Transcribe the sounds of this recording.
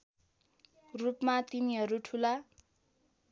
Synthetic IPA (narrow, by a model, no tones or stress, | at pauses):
rupmat̪iniɦʌɾuʈʰula